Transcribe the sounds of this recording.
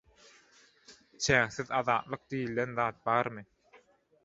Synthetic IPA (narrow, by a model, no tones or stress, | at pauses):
t͡ʃʰæːŋθiðɑðɑːt̪lˠɯq̚d̪ijilːenðɑːt̪̚bɑːɾmɯ